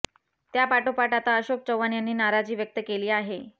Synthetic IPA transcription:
t̪japaʈopaʈat̪aəɕok̚t͡ɕəwʋanjanːiːnaɾad͡ʑiːʋjək̚t̪əkeliːaɦe

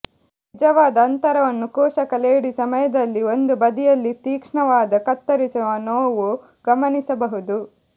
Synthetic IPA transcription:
nid͡ʒɐʋaːd̪ɐːnt̪ɐɾɐʋɐnːukɔːʃɐkɐleːɽisɐmɐjɐd̪ɐlːio̞nd̪ubɐd̪ijɐlːit̪iːkʂɳɐʋaːd̪ɐkɐt̪ːɐɾisuʋɐnoːʋu | ɡɐmɐnisɐbɐɦud̪u

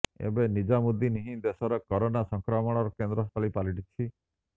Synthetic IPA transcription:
ḛbenid͡ʒamud̪iniɦĩd̪esɔɾɔkɔɾonasɔŋkɾɔmɔɽ̃ɔɾɔkend̪ɾɔst̪ʰɔlipaliʈit͡ʃʰi

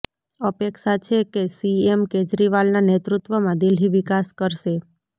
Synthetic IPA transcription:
əpekʃat͡ʃʰekesiemked͡ʒɾiʋalnanet̪ɾut̪ʋəmãd̪ilɦiʋikaskəɾʃe

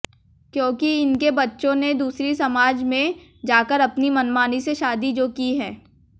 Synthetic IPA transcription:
kjõːkiɪnkebɐtːʃõned̪uːsɾisɐmaːd͡ʒmẽ | d͡ʒaːkəɾɐpnimɐnmaːniseʃaːd̪id͡ʒoːkiɦɛ̃ː

